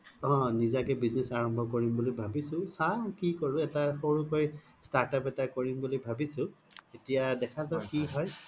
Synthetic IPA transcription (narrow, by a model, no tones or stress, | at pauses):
ɔ̃nizakɛbiznɛsaɹɔmbʱɔkoɹimbulojbʱabisʊ̃sakikoɹʊ̃ɛtaxoɹukoj | staɹtapɛtakoɹimbulojbʱabisʊ̃ | etijadɛkʰazakiɦɔj